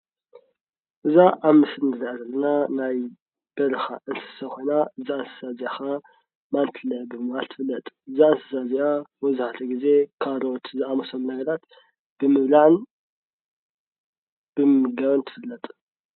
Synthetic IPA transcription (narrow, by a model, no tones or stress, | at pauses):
ʔɨzaʔaβmɨsɨnɨliʕazɐlːɐnanaj | b̥ɐlɐxaʔɨnsɨ̥sɐko̞jnaɨzaɨnsɨ̥saziaxa | mant̪ʰɨlɐbɨmɨβalt̪ʰɨ̥fɨlːɐt̪ʼɨzaɨnsɨ̥sazijawɔzuhat̪ʰɐɡize̞kʰaɾot̪ʰzɨamɐsɐlunɐɡɐɾat̪ | b̥ɨmɨβlaʕn | b̥ɨmɨɡɐβɐnt̪ʰɨ̥fɨlːɐt̪ʼ